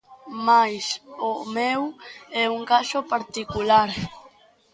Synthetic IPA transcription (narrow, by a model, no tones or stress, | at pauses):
majsomɛwɛuŋkaʃopaɾt̪ikulaɾ